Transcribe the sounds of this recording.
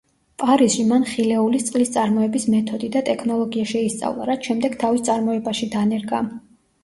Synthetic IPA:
pʼaɾisʃimanχilɛulist̪sʼqʼlist̪sʼaɾmɔɛbismɛt̪ʰɔd̪id̪at̪ʼɛkʰnɔlˠɔɡiaʃɛist̪sʼa̰vlˠa̰ɾat̪ʰʃɛmd̪ɛɡ̥̚t̪ʰavist̪sʼaɾmɔɛbaʃid̪anɛɾɡa

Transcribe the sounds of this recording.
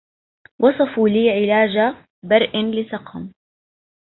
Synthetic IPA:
wʔɑsˤɑfuːliːʕɪlaːd͡ʒa | bɑɾˤʔanlɪsɑqhʊm

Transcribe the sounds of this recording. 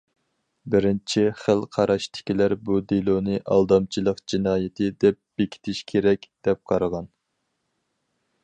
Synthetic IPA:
bɪɾɪnt͡ʃʰiχəlˠqʰɑɾʔɑʃt̪ʰɪ̥kʲilæɾbud̪elˠonɨʔɑ̰lˠd̪ɑmt͡ʃʰilˠəqd͡ʒinɑːjɪt̪ʰɪd̪ɛp̚b̥ekʲʰi̥t̪ʰɪʃkʲʰeɾɛkʲd̪̥ɛp̚qʰɑɾɑʁɑn

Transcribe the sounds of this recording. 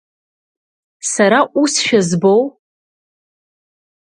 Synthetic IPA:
saɾaʔusʃᶣazbow

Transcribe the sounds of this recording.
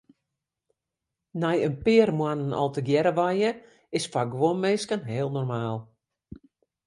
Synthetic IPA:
nɛjənpɪərmwanənɔ̰lˠtəɡjɛɾəʋajə | ɪsfaɡʋomːeskənɦɪəlˠnɔrmaːlˠ

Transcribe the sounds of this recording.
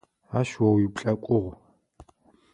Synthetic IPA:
aʃwɔwipɬʼɐkʷʼʊʁʷ

